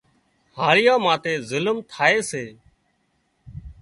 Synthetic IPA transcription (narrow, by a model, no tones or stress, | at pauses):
haːɾɪjãːmãːt̪eːzəlmt̪ʰaːeːseː